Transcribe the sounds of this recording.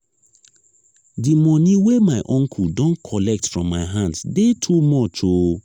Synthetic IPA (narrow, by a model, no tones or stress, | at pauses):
dimɔniwemaɪʔɔ̃ŋkʰuldɔ̃nkʰɔlɛk̚tfɹɔ̃mːaɪɦãndsdetʰumɔtʰo